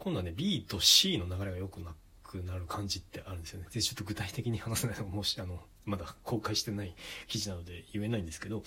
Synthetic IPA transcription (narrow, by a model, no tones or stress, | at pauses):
kõ̞d̪oane̞bʲiːt̪o̞ɕiːno̞naɡaɾe̞ɡajo̞kɯ̟nakʰɯnaɾɯ̟kʰãɲ̟d͡ʑit̪ːe̞ʔaɾɯ̟nd̪esɨjonedet͡ɕo̞t̪ːoɡɯ̟t̪ait̪e̞kʲiɲ̟ihanasenainomoɕi̥ano̞ | mad̪akʰo̞ːkaiɕi̥t̪e̞naikʲiʑinano̞d̪e̞jɯ̟e̞naĩnd̪esɨ̥ke̞d̪o̞